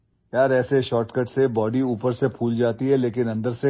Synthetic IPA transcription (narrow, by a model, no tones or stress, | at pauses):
jaːɾɛːseʃɔːʈkəʈsebɔːɖiuːpəɾsepʰuːld͡ʒaːt̪iɦɛleːkɪnɐ̃nd̪əɾse